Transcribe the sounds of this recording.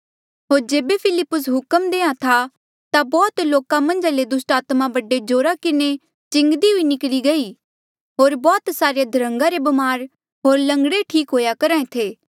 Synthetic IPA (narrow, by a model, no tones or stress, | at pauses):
ɦoːɾd͡ʒeːbepʰɪlɪpːʊsɦʊkəmd̪eːãt̪ʰa | t̪abɔːt̪loːkãmɐ̃nd͡ʒaled̪ʊsʈaːt̪mabɐɖed͡ʒoːɾakɪne | t͡ʃɪ̃ŋɡd̪iɦʊinɪkliɡɐi | ɦoːɾbɔːt̪saːɾjed̪ʱəɾə̃ŋɡaɾebɐmaːɾ | ɦoːɾlɐ̃ŋɡɽeʈʰiːkɦoːjakɐɾãːẽt̪ʰeː